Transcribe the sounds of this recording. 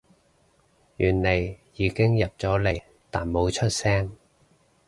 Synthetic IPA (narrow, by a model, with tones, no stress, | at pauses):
jyː˨˩nle˨jjiː˨˥kɪ˥ŋjɐ˨p̚t͡sɔː˨˥le˨˩j | t̪aː˨˩nmo˨˧wt͡ʃʰɵ˥t̚sɛː˥ŋ